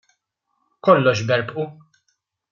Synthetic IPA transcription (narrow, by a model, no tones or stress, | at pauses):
kɔlːɔʃbɛɾpʔu